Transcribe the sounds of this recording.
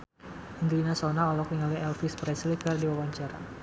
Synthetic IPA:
ind̪ɾinasɔnaɔlɔk̚iŋaliɛlfispɾɛslikərdiwawaɲt͡ʃaɾa̰

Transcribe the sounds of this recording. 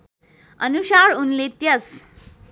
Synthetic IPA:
ə̰nusaɾunlet̪jəs

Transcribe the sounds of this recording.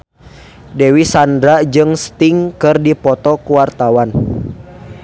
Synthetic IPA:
dɛwisandɾad͡ʒɨŋst̪iŋkɨrdipɔt̪ɔkuwart̪awan

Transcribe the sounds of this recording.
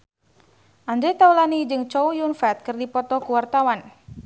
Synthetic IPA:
ʔand͡ʒɛt̪aulanid͡ʒɨŋt͡ʃɔujunfɛt̪̚kɨrdipɔt̪ɔkuwart̪awan

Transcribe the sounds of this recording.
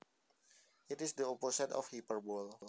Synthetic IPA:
ʔitisdəoposə̃ntɔ̰fhipərbɔl

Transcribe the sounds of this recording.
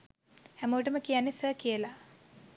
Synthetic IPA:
hæməʋəʈəməkijanːesəːkijəla

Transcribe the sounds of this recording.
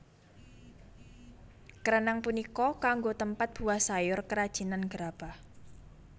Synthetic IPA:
kəɾənaŋpunikɔkaŋɡot̪əmpat̪̚b̥ṳahsajʊrkəɾad̥ʒ̥i̤nanɡ̥ɾab̥ah

